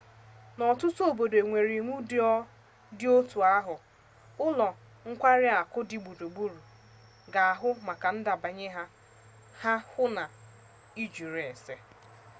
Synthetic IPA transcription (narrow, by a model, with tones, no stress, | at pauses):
nɔ˨tʊ˦tʊ˦o˨bo˨de˨ŋʷe˨ɾi˨ŋʷu˦dɪ˦ɔ˦ | dɪ˦o˦tu˨a˦ɦʊ˨ | ʊ˦lɔ˨ | ŋ̩˦kʷa˦ɾɪ˦a˨kʊ˦dɪ˨ɡ͡bu˨ɾu˨ɡ͡bu˦ɾu˨ | ɡa˨a˨ɦʊ˦ma˨ka˨n̩˦da˨ba˨ɲe˦ɦa˦ | ha˦hʊ˦na˨ | i˦d͡ʒu˨ɾe˨se˦